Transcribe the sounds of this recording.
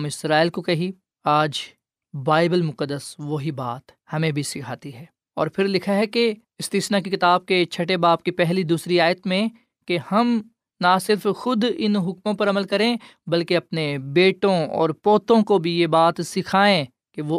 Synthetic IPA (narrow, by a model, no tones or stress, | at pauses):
mɪsɾaːɪlkokɐɦi | aːd͡ʒ | baːɪbəlmʊkəd̪ːəsʋoɦibaːt̪hɐmẽbʱisɪkʰaːt̪iɦɛː | ɔ̰ːɾpʰɪɾlɪkʰaɦɛke | ɪst̪iːsnakikɪt̪aːb̚ket͡ʃʰɐʈebaːp̚kipɛɦlid̪uːsɾiaːjət̪mẽ | kehɐm | nasɪɾfxʊd̪ɪnɦʊkmõpɐɾɐməlkɐɾẽbɐlkeɐpnebeːʈõɔ̰ːɾpoːt̪õkobʱijebaːt̪sɪkʰaːẽ | keʋo